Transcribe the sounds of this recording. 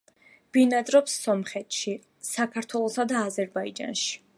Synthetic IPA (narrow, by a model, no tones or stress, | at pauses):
b̥inad̪ʼɾɔpsːɔmχɛt̪ʃi | sakʰaɾt̪ʰwɛlˠɔsad̪aːzɛɾbaid͡ʒa̰nʃi̥